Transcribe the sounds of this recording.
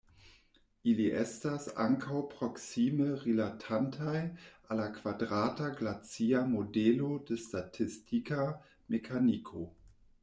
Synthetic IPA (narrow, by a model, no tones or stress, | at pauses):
ʔiliʔɛstasa̰ŋkʰawpʁ̥oksiməʁilatʰantʰajʔalakv̥adʁataɡlat͡siamodɛlodəstatʰistika | mekʰanikʰo